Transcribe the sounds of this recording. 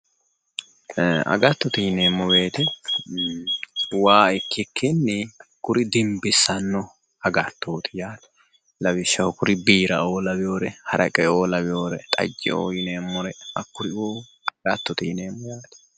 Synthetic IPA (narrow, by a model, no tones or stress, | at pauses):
ɐ̰ɡɐt̪ːɔt̪iːneːmːɔbe̞ːt̪ɛ | waːɪkːɪkʰːɪnːɪkʊɾɪd̪ɪmbɪsːɐnːɔ | ɐɡɐt̪ːoːt̪ɪjaːt̪ɛ̥ | lɐbɪʃːɐhʊkʊɾɪbiːɾɐʔo̞ːlɐbɪjo̞ːɾɛhɐɾɐkʼɛoːlɐbɪjoːɾɛt̪ʼɐ̰d͡ʒːɛ̰o̰ːjɪneːmːɔɾɛɐkːʊɾɪoː | ɡɐt̪ːɔt̪iːneːmːɔjaːt̪ɛ̥